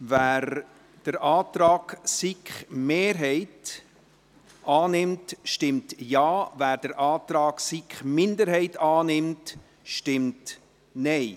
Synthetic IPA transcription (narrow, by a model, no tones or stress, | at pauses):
væːɾ | d̥əɾʔɑːt̪ɾɑːɡsikχmeːɾɦɛɪt | ʔɑːnɪmtʃtɪmtjɑːvæːɾd̥əɾʔɑːt̪ɾɑːɡ̥sikχmɪndəɾhɛɪtɑːnɪmt | ʃtɪmt | nɛɪ